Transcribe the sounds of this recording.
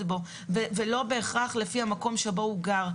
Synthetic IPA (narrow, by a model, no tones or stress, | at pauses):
bo̞ | vevelo̞be̞ːχʁaχle̞fihamako̞mʃebo̞uɡaʁ